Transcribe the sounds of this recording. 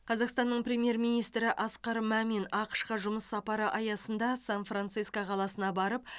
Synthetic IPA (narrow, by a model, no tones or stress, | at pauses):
qʰɑzɑqst̪ɑnːəɴpɾʲe̞mje̞ɾmijnijst̪ɾɪʔɑsqɑɾmæmenɑqə̥ʃqɑʒʊməsːɑpɑɾəʔɑjɑsənd̪ɑsanfrant̪sɨskoqʰɑlˠɑsənɑbɑɾəp̚